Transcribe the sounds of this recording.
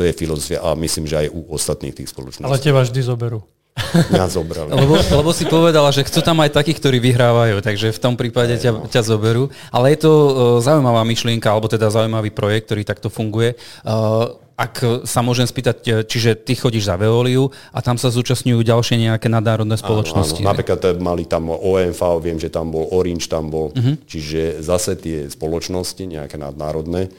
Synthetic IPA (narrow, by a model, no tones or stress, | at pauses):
t̪ɔjɛfilɔzɔfia̰ʔa̰misliːmʒɛa̰juɔst̪at̪nḭːxt̪iːxspɔlɔ̰t͡ʃnɔ̰alɛcɛbaʒd̪izɔbɛɾu | ɲazɔbɾa̰llɛbɔlɛbɔsipɔʋɛd̪alaʒɛxt͡suːt̪amajt̪akiːxkt̪ɔɾiːʋiɦɾaːʋajuːt̪aɡʒɛft̪ɔmpɾiːpaɟɛacazɔbɛɾuː | ʔalɛjɛt̪ɔzaujmaʋaːmiʃlɪɛŋkaalɛbɔt̪ɛd̪azaujmaʋiːpɾɔjɛk̚t̪̚t̪ɔɾiːt̪ak̚t̪ɔfuŋɡujɛ | ʔaksamʊɔʒɛmspiːt̪act͡ʃiʒɛt̪ixɔɟiʒzaʋɛɔːliu | ʔat̪amsazuːt͡ʃasɲujuːɟalʃɪɛɲɛakɛːnad̪naːɾɔd̪nɛːsɔlɔt͡ʃnɔsscinapɾiːklat̪malit̪amɔɛnfaɔʋɪɛmʒɛt̪ambɔlɔɾint͡ʃt̪ambɔl̩ɦ̩t͡ʃiʒɛzasɛt̪ɪɛspɔlɔt͡ʃnɔsciɲɛ̰a̰kɛna̰d̪̚naːɾɔd̪nɛ